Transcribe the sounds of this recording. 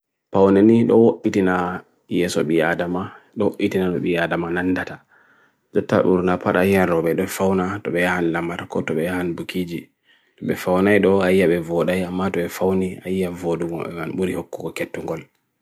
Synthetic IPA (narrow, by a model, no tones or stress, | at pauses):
pawnaniɗɔwoʔːitina | jɛsɔ̰ɓiadama | ɗɔwoʔitinanɔ̰ɓiadamanandata | d͡ʒɔtːa̰ɓṵɾnapaɗahianɾɔɓɛɗɔfawnatɔɓɛjahanlamaɾkɔtɔɓɛjahanbukiːd͡ʒi | tɔɓɛfawnajɗɔajjaɓɛvɔɗajamːatɔɓɛfawnia̰jjavoduɡɔ̰ɓɛmanɓuɾihokːuɡɔkɛtːuŋɡɔl